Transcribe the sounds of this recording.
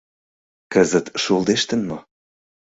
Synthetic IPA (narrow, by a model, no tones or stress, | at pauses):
kəzət̪ʃolˠd̪eʃt̪ənmo